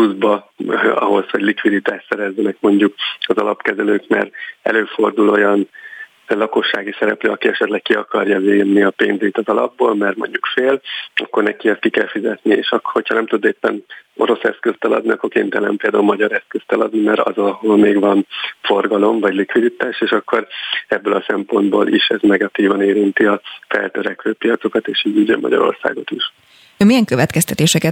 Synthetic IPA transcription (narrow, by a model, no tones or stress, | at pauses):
uzbɒ | ɒ̰ɦo̞shoɟlikʋid̪it̪aːʃsɛɾɛzːɛnɛkmo̞ɲɟukɒzɒlɒpkɛzɛløːkmɛ̰rɛ̰løːfo̞rd̪ulo̞jɒn | lɒko̞ʃːaːɡisɛɾɛplø̰ːɒkiɛʃɛt̪lɛk̚kiɒkɒrjɒveːnniɒpeːnzet̪ɒzɒlɒbːoːlmɛrmo̞̰ɲɟukfeːlɒkːo̞rnɛkiɛst̪kikɛlfizɛt̪niḛːʃɒkho̞cʰhɒnɛmt̪ud̪ːeːpːɛno̞ɾo̞sɛ̰skøst̪ɛlɒ̰d̪niɒkːo̞rkḛːnt̪ɛlɛmpeːld̪aːulmɒɟɒɾɛskøst̪ɛlɒd̪nimɛɾɒ̰zɒholmeːɡʋɒnfo̞rɡɒlo̞ɱvɒɟlikʋid̪it̪aːʃeːʃɒkːo̞ɾɛbːøːlɒsɛmpo̞nd̪boːlʔḭʃɛznɛɡɒt̪iːvɒneːɾint̪iɒfɛ̰lt̪øɾɛkʋøːpijɒt̪so̞kɒt̪eːʃiːɟiːɟø̰mːʔɒ̰ɟɒ̰ɾo̞̰rsa̰ːɡot̪iʃ | mijɛŋkø̞vɛt̪kɛst̪ɛt̪eːʃɛkɛ